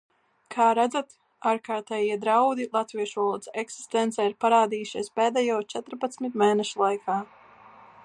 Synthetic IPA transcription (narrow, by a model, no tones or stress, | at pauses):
kʰaːɾæd̪zat̪ | aːɾkaːɾt̪ɛjiɛd̪ɾawd̪ilˠat̪viɛʃɔlˠuɔt̪sɛksi̥st̪ɛnt̪sɛːiɾpaɾaːd̪iːjuʃiɛspɛːd̪ajɔːt͡ʃɛt̪ɾpat̪smit̪mɛːnɛʃulˠajkʰaː